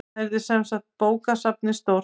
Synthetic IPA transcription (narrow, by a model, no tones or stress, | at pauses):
ɛɾðɪsɛnsakt̪̚poːwkasap̚nɪst̪oːwɾ